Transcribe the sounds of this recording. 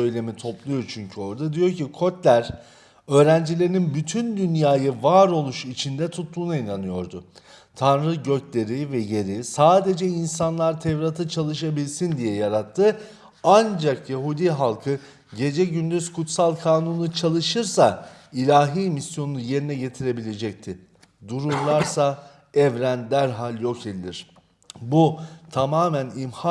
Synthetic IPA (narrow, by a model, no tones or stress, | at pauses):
ø̞jlʲe̞mit̪ʰo̞plˠujo̞ɾt͡ʃʰyɲcʰyo̞ɾd̪ad̪ijo̞ɾcikʰo̞t̪lʲæɾ | ø̞ːɾænd͡ʒilʲeɾininbyt̪ʰynd̪ynjaːjɯvaːɾo̞lˠuʃit͡ʃʰind̪ɛt̪ʰut̪ʰːˠuːnainanɯjo̞ɾd̪ʊ | t̪ʰanɾɯɟø̞clʲe̞ɾivɛje̞ɾisaːd̪e̞d͡ʒɛinsanlˠaɾt̪ʰɛvɾat̪ʰɯt͡ʃʰalˠɯʃabilʲsind̪ijɛjaɾat̪ʰːɯ | and͡ʒakjaɦud̪iɦalˠkʰɯ | ɟe̞d͡ʒɛɟynd̪yz̥kʰut̪salˠkʰaːnunut͡ʃʰalˠɯʃɯɾsa | ilʲaːɦiːmisjo̞nunuje̞ɾinɛɟe̞t̪ʰiɾe̞bilʲe̞d͡ʒɛc̚t̪ʰɪ | d̪uɾuɾlˠaɾsa | ɛvɾænd̪æɾɦalʲjo̞cʰelʲilʲiɾ̥ | but̪ʰamaːmænimha